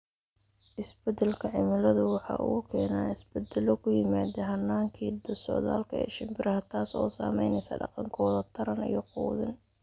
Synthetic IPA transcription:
ʔɪsbɛd̪ɛlkʰɐʕɪmɪlɐðʊwɑħɑ̰ʔuːkʰɛːnaːɪsbɛd̪ɛlɔkʰʊjɪmaːd̪ɛɦɐnːaːŋkʰiːd̪ɔsɔ̰ʕða̰ːlkʰɐɛ̰ːʃɪmbɪɾɐɦɐt̪ʰaːsɔ̰ːsa̰ːmɛjnɛjsɐ̰ɖɑ̰qɑŋkʰɔːðɐt̪ʰɐɾɐnḭjɞquːðɪn

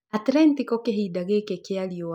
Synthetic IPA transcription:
atɾɛntikɔkeɦidaɣeːkekeaɾio

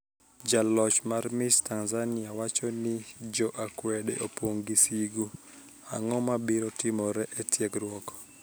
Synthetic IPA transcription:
d͡ʒalɔt͡ʃmarmɪstanzanɪawat͡ʃɔnɪd͡ʒɔʔakwɛdɛ̰ʔopwoŋɡisiɡu | a̰ŋɔmabiɾɔtɪmɔɾɛʔɛtjɛkɾwɔkɔ̥

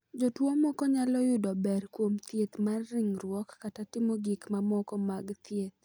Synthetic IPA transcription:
d͡ʒotwomɔkɔɲalɔjʊdɔbɛrkwomt̪jet̪marːɪŋɾwɔkːatatɪmoɡikmamɔkɔmaɡt̪ʰjet̪̚

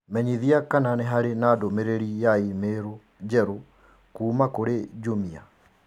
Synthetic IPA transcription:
mɛɲiðiakananɛɦaɾenadomeɾeɾijaimeɾo | d͡ʒɛɾo | kuːmakoɾed͡ʒumia̰

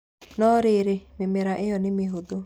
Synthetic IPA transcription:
nɔɾɪɾemɪmeɾaʔejɔnɪmɪɦod̪o

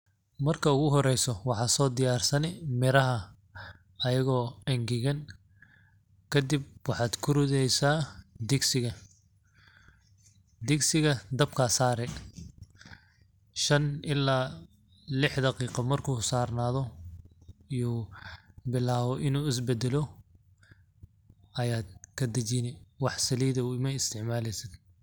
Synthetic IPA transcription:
mɐrkʰɐʊɣʊɦɔɾɛjsɔwɑħɑːsɔːd̪ɪjaːrsɐnɛmɪɾɐɦɐ | ɐjɐɣɔːɐŋɡɪɣɐn | kʰɐd̪ib̚wɑħɑːd̪kʰʊɾʊðɛjsaːd̪ɪɡsɪɣɐ | d̪ɪksɪɣɐd̪ɐb̚kʰɐsaːɾɛ | ʃɐnɪlːaː | lɪħd̪ɐqiːqɐmɐrkʰuːsaːrnaːðɔ | ijuː | bɪlaːβɔʔɪnuːɪs̬bɛd̪ɛlɔ | ɐjaːd̪̚kʰɐd̪ɐt͡ʃinɛwɑħsɐliːðɐuːmɛɪst̪ʰɪʕmaːlɛjsɪd̪

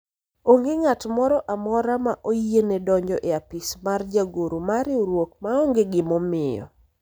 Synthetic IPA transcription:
oŋɡɪŋatmɔɾɔʔamɔɾamaʔojienɛdɔɲd͡ʒɔ̰ʔeapismard͡ʒaɡoɾumaɾɪuɾwok̚maɔŋɡeɡɪmɔmɪjɔ̰

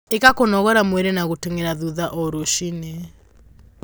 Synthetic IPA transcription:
ekakonɔɣɔɾamwɛɾenaɣoteŋeɾaðuðaʔɔɾoʃine

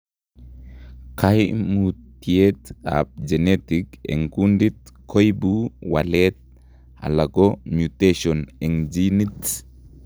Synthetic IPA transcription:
kajmut̪ːiet̪a̰p̚d͡ʒɛnet̪ikɛ̰ŋkund̪it̪ | kʰɔjbuwɐlet̪̚ | a̰lɐɡomjut̪eʃɔnɛŋd͡ʒinit̪

